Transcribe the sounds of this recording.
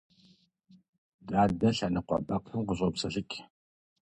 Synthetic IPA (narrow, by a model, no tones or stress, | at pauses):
daːdɐɬɐnɨqʷɔ̰ɓʼɐqʰɨmqʷʊɕʼɐpsɐɬɨkʲʼ